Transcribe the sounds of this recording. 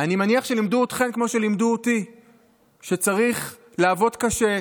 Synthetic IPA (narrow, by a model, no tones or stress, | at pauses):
animaniaχʃe̞limduot̪χe̞nkmo̞ʃe̞limd̪uoti | ʃe̞t͡saʁiχ | laːvo̞tkaʃe